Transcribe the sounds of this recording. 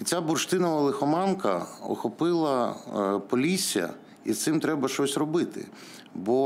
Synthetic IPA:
t͡sʲabʊrʃt̪ɪnɐʋɐlˠɪxɔmɑnkɐɔ̰xɔpɪlˠɐpɔlʲisʲijɐ̰ | isɪmt̪ɾɛbɐʃt͡ʃɔsʲrɔbɪt̪ɪ̰ | bɔ

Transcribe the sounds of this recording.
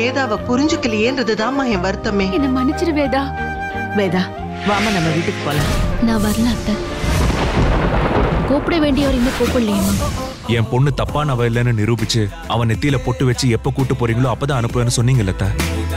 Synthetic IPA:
eːðaːʋɐ̃pʊɾɪɲd͡ʒɯkːɪlːɐeːndɾɐðɯt̪ãːmãːẽːʋɐɾɯt̪ːɐmeːɛnːɐmɐnɪt͡ʃːɪɾɐʋeːd̪aː | ʋeːd̪aː | ʋaːmaːnɐmːɐʋiːʈːɯkːɯpoːlãːnãːʋɐɾɐlaːt̪ːɐ̃ | koːpɪɽɐʋeːɳɖɪjɐʋɐɾɪnːɐkoːpɐɽlɐjɐnɐ̃ː | ɛ̃ːmpɔɳːɯt̪ɐpːaːnɐʋɐɪlːɐnːɯnɪɾuːbɪt͡ʃːɯ | ɐʋɐ̃nɛt̪ːijlɐpɔʈːɯʋɛt͡ʃːɯɛpːokuːʈːɯpːoːɾiːŋɡɐɭõːɐpːɐːt̪ãːɐnɯpːɐʋeːnːɯsɔnːiːŋɡɐɪlːɐt̪ːaː

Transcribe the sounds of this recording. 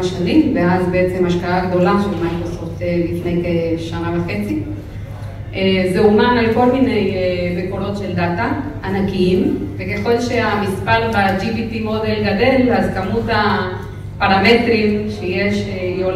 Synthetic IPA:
ʃanimveazbeet͡se̞maʃkaaɡd̪o̞laʃelmajkɾoso̞ft̪elifnejkeʃanavaχe̞t͡si | ʔezeumanalko̞lminejbekoɾo̞t̪ʃe̞ld̪at̪a | anakiimvekeχo̞lʃeamispalbad͡ʒibit̪imod̪elɡad̪e̞lazkamut̪a | paʁamet̪ʁimʃejeʃejo

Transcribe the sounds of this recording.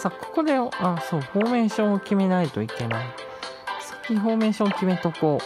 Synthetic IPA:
sako̥ko̞d̪e̞aso̞ːho̞ːmẽ̞ɕõokʲime̞nait̪o̞ike̞nai | sḁkʲːiɦo̞ːmẽ̞ɕõkʲime̞t̪okoː

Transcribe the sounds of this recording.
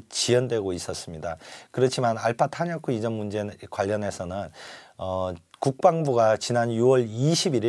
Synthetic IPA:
t͡ɕijʌndwe̞ɡois͈ʌs͈ɯmɲidakɯɾʌt͡ɕʰimanaɭpʰatʰaɲʌkʰuid͡ʑʌnmund͡ʑe̞kwaʎːʌne̞sʰʌnɯnʌkuk̚p͈aŋbuɡat͡ɕinanjuwʌɭiɕʰibiɾi

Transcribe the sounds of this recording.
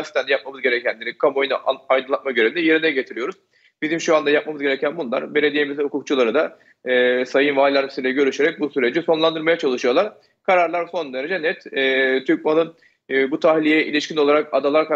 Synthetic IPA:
si̥t̪ʰænd̪ɛjap̚mamɯzɟe̞ɾecʰænd̪ʲeɾikʰamo̞jnʔaajd̪ɯnˠat̪maɡɟøɾevind̪ɛje̞ɾinɛɟe̞t̪ʰiɾijo̞ɾuz̥ | bizimʃuand̪ajap̚mamɯzɡɟe̞ɾecʰænbunlˠa̰ɾbelʲe̞d̪ijemizihukʰukt͡ʃʰulˠaɾɯd̪a | sajɯnvaːlʲˠaɾisid̪ʲɛɟø̞ɾyʃeɾɛc̚busyɾe̞d͡ʒiso̞nlˠand̪ɯɾmajat͡ʃʰalˠɯʃɯjo̞lˠaɾ̥ | kʰaɾaɾlˠaɾso̞nd̪e̞ɾe̞d͡ʒɛnɛt̪ːt̪ʰyɾcmanˠɯnː | but̪ʰahlʲijɛʔḭlʲiʃcʰino̞lˠaɾakad̪alˠaɾka

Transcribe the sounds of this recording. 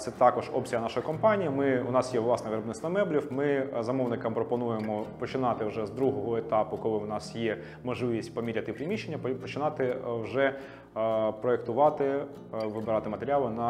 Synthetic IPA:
t̪sɛt̪ɑkɔʒɔpt͡sʲiɦɐnɑʃɔjkɔmpɑnʲijimɪʊnɑsjɛʋlˠɑsnɛʋɪɾɔbnɪst̪ɔmɛblʲiwmɪzɐmɔʋnɪkɐmpɾɔpɔnujemɔpɔt͡ʃɪnɑt̪ɪwʒɛzd̪ɾuɦɔɦɔet̪ɑpʊkɔlˠɪwnɑsjɛ | mɔʒlˠɪʋʲisʲtʲpɔmʲiɾʲɐt̪ɪpɾʲɪmʲiʃːenʲːɐppɔt͡ʃɪnɑt̪ɪwʒɛ | pɾɔekt̪ʊʋɑt̪ɪ | ʋɪbɪɾɑt̪ɪmɐt̪eɾʲalˠɪnɐ

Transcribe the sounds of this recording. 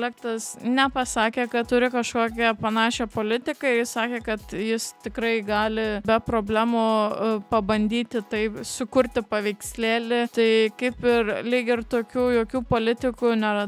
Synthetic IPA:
lʲæːkt̪ɐsnʲɛpɐsɑːkʲeːkɐtt̪ʊɾʲɪkɐʃkoːkʲɛpɐnɑːʃʲɛpoːlʲɪt̪ʲɪkɐɪjɪssɑːkʲeːkɐt̪jɪst̪ʲɪkɾɐɪɡɑːlʲɪbʲɛpɾoːbʲlʲæːmoːpɐbɐnʲd̪ʲiːt̪ʲɪt̪ɐɪpsʊkʊɾʲt̪ʲɪpɐʋʲɛɪksʲlʲeːlʲɪt̪ɐɪkɐɪpɪrlʲiːɡʲɪrt̪oːkʲuːjoːkʲuːpoːlʲɪt̪ʲɪkʊnʲɛɾɐ

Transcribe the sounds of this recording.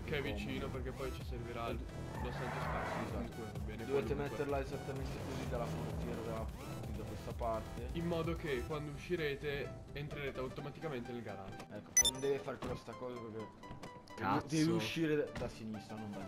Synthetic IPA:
keɛvːit͡ʃiːnoperk̟epːɔjt͡ʃiserviɾa | nost̪ant̪eskaszakuat̪abɛːned̪oveːt̪emet̪ːeɾlaezat̪ːament̪ekozid̪alːafoɾt̪ːjɛːɾad̪alːa | id̪akwest̪apart̪eimːɔːd̪okekwand̪ouʃːiɾeːt̪eː | nt̪ɾeɾeːt̪eawt̪omat̪ikament̪enelɡaɾa̰d͡ʒoɛkːot͡ʃɛnːõnd̪ɛːvefaɾekest̪akɔːzaperke | d̪ɛːveuʃːiːɾed̪asinist̪ɾanonva

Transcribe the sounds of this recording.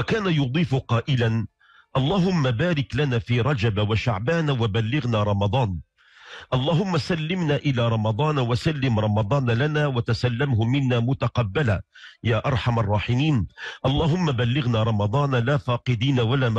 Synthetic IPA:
kaːnajʊd̪ˤiːfqɑːʔɪlan | ʔɑlˤːɑːɦʊmːabaːɾɪklanaːfiːɾˤɑd͡ʒabawaʃaʕbaːnwabalːɪɣnaːɾˤɑmɑd̪ˤɑːn | ʔɑlˤːɑːɦʊmːasalːɪmnaːʔɪlaːɾˤɑmɑd̪ˤɑːnwasalːɪmɾˤɑmɑd̪ˤɑːnlanaːwat̪asalːamhʊmɪnːaːmʊt̪aqɑbːalajaːʔɑɾˤħamarˤːɑːħɪmiːnʔɑlˤːɑːɦʊmːabalːɪɣnaːɾˤɑmɑd̪ˤɑːnlaːfɑːqɨd̪iːnawalaːm

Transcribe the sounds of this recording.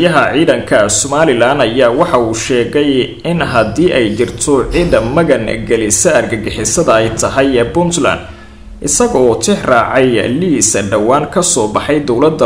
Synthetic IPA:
jɐɦɐʕiːðɐŋkʰɐsɔmaːlɪlaːnɐjaːwɑħɑuːʃɛːɣɛj | ɪnɦɐd̪iːʔɛjt͡ʃɪrt̪ʰɔʕiːðɐmːɐɣɐnɡɛlɪsɐɐrɡɐɡɪħɪsɐðɐɛjt̪ʰɐɦɛjbʊnt̪la̰ːnd̪ | ʔɪ̰sɐɣɔɔːt̪ʰɪħraːʕɛjliːsɐɖɐwaːŋkʰɐsɔːbɑħɑjd̪ɔwlɐd̪ːɐ

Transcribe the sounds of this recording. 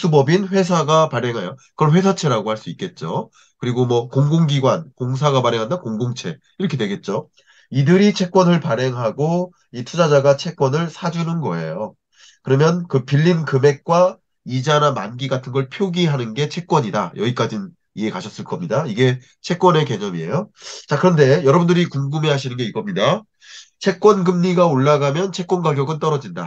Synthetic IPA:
s͈ubʌbinɸwe̞s̬ʰaɡapaɾeŋɦajokɯɾʌnɸwe̞s̬ʰat͡ɕʰe̞ɾaɡohaɭs͈uik͈e̞t̚t͡ɕ͈o | kɯɾiɡomwʌkoŋɡoŋɡiɡwankoŋs̬ʰaɡapaɾeŋɦandankoŋɡoŋt͡ɕʰe̞ | iɾʌkʰe̞dwe̞ɡe̞t̚t͡ɕ͈o | idɯɾit͡ɕʰe̞k͈̚wʌnɯɭpaɾe̞ŋɦaɡo | itʰud͡ʑad͡ʑaɡat͡ɕʰe̞k̚k͈wʌnɯɭsʰad͡ʑunɯnɡʌe̞̰jo | kɯɾʌmjʌnkɯpiʎːinkɯme̞k̚k͈wa | id͡ʑanamanɡiɡatʰɯnɡʌɭpʰjoɡiɦanɯnɡe̞t͡ɕʰe̞k͈̚wʌɲida̰jʌɡik͈ad͡ʑin | ie̞kaɕʰʌs͈ɯɭk͈ʌmɲidaiɡe̞ | t͡ɕʰe̞k̚k͈wʌne̞ke̞ɲʌmie̞̰jot͡ɕakɯɾʌnde̞jʌɾʌbundɯɾikuŋɡɯme̞ɦaɕʰinɯnɡe̞iɡʌmɲida | t͡ɕʰe̞k̚k͈wʌnɡɯmɲiɡaoɭːaɡamjʌnt͡ɕʰe̞k͈̚wʌnɡaɡjʌɡɯnt͈ʌɾʌd͡ʑinda̰

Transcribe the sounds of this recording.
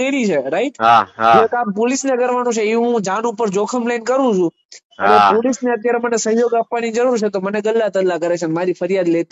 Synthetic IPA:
eɾit͡ʃʰeɾaiʈɦad͡ʒet̪ampolisneəkəɾʋanũt͡ʃʰeiɦũd͡ʒanupəɾd͡ʒokʰəmlankəɾũt͡ʃʰũ | ənepolisneət̪jaɾemənesəɦjoɡapʋanid͡ʒəɾuɾt͡ʃʰet̪oməneɡəlːat̪əlːakəɾet͡ʃʰenmaɾifəɾjad̪let̪i

